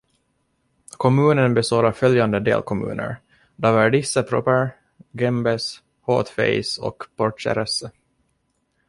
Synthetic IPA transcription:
kʰɔmʉ̟ːnənbɛst̪oːɾafœljand̪əd̪ḛːlkʰɔmʉ̟̰ːnʔə̰ɾ | d̪ɑːvæɖɪsːəpʰɾɔ̰pəɾ | ɡɛmbɛs | ho̰ːt̪fɛ̰ɪsɔ̰kpʰɔʈʂɛ̰ɾɛsə

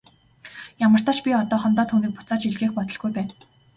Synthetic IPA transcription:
jamə̆r̥t̪ʰaːt͡ɕpʲiɔt̪ɔːχɔnt̪ɔːt̪ʰuːniːk̚pʊt͡saːt͡ɕiɮɣeːxpɔt̪ɞ̆ɮɡujpæːn

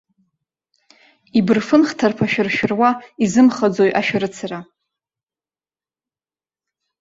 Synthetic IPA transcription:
ibɨrfɨnχtʰarpʰaʃᶣɪrʃᶣɪrwaizɨmχad͡zojʔaʃᶣaɾɨt͡sʰara

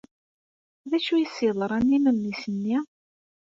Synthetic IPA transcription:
ðæʃujəsiðˤəɾˤænːimənːisənːi

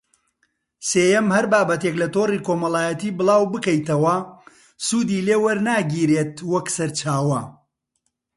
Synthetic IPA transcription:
seːjɛmhɐɾbaːbɐt̪eklɐt̪oːriːkomɐlˠaːjɐt̪iːbɨlˠaːwbɨkɐjt̪ɐwɐ | suːd̪iːleːwɐɾnaːɡiːɾeːt̪wɐksɐɾt͡ʃaːwɐ

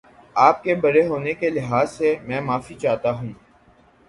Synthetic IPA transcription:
aːp̚kebɐɾeɦoːnekelɪɦaːzsemɛ̃ːmaːfit͡ʃaːt̪aɦũː

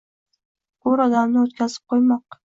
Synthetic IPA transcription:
ɡʊɾɒd̪amnɪot̪kʲʰazɪp̚qʰojmɒq̚

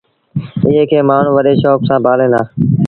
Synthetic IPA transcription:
ɪɦeːkʰeːmaːɳ̤ũːʋəɗeːʃɔːksãːbʱaːlẽːnd̪aː

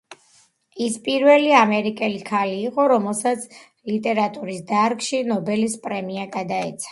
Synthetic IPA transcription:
ispʼiɾvɛliamɛɾikʼɛlikʰaliːqʼɔɾɔmɛlˠsat̪sʰ | lit̪ʼɛɾat̪ʼuɾisd̪aɾkʃinɔbɛlispʼɾɛmiaɡad̪aɛt̪sʰḁ

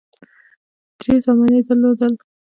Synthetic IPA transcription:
d̪̥ɾezamaned̪əlod̪əl

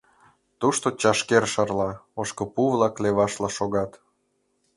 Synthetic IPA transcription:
t̪uʃt̪ot͡ɕɑʃkerʃɑrlɑoʃkɤ̆puβlɑkleβɑʃlɑʃoɣɑt̪

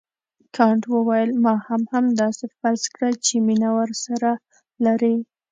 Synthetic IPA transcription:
kʰɑɳʈwəwajəlmɑhamhamd̪ɑsefaɾzkɽət͡ʃeminawəɾsaɾa | laɾi

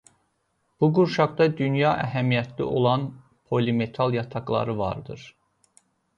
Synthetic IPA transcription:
b̥uɡuɾʃɑɡd̪ɑd̪ynjɑʔæɦæmijæt̪ʰlḭʔo̞lˠɑn | pʰo̞lime̞t̪ʰɑlˠjɑt̪ʰɑɡlˠɑ̰ɾɯvɑ̰ɾd̪ɯɾ

